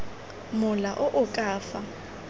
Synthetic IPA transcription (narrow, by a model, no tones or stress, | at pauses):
mʊlaʔʊʔʊkʼaːfa